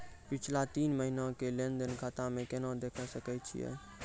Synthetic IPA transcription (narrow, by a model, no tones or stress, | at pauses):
pit͡ʃʰlat̪iːnməɦinãkelend̪ənkat̪amẽkenad̪ekʰəsəkɛt͡ʃʰḭjɛ̰